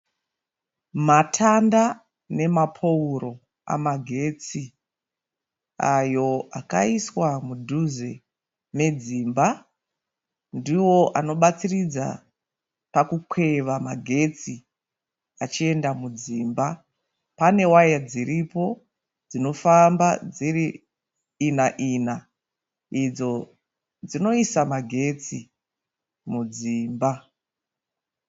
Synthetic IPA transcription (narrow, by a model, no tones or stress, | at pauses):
matʰanda | ne̞mapʰo̞uɾo̞ | a̰maɡʱe̞t͡si | ajo̞akaiswamudʱuze | me̞d͡ziːmba | ndiwo̞ʔano̞ɓat͡sirid͡za̰ | pakukwe̞ʋamaɡʱe̞t͡si | at͡ʃie̞ndamud͡ziːmba | pane̞wajad͡ziripo̞ | d͡zino̞fambad͡ziriː | naʔiːna | id͡zo̞ | d͡zino̞isamaɡʱe̞t͡si | mud͡ziːmba